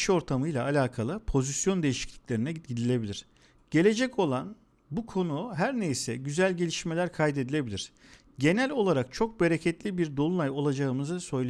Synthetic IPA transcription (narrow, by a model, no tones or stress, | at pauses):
ʃo̞ɾt̪ʰamɯjlˠaːlʲaːkʰalˠɯpʰo̞zisjo̞nd̪e̞jiʃi̥clʲi̥clʲe̞ɾinɛɟid̪ilʲe̞bilʲiɾ̥ | ɟ̥e̞lʲe̞d͡ʒɛcʰo̞lˠan | bukʰo̞nuɦæɾnejsɛɟyzælʲɟe̞lʲiʃme̞lʲæɾkʰajd̪e̞d̪ilʲe̞bilʲiɾ̥ | ɟe̞nælʲo̞lˠaɾak̚t͡ʃʰo̞k̚be̞ɾecʰɛt̪lʲibiɾd̪o̞lˠunajo̞lˠad͡ʒaɯmɯzɯsø̞jlˠe